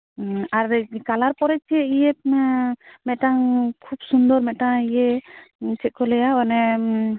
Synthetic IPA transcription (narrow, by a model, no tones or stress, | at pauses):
aɾkalaɾpɔɾɛt͡ʃʰiɛijɛ | mɛtaŋkʰub̚sund̪ɔɾmɛtaŋijɛ | t͡ʃɛt̚kɔlɛjawanɛ